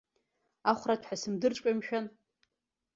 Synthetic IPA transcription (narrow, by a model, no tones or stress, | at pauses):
aχʷratʰħasɨmdɨrʈ͡ʂʷʼkʼamʃᶣan